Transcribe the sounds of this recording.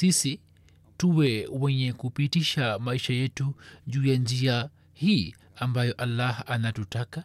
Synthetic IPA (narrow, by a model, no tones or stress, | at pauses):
sisi | tuwɛwɛɲɛkupitiʃamaiʃajɛtuʄuːjand͡ʒia | hiː | ambajɔʔalːahanatutaka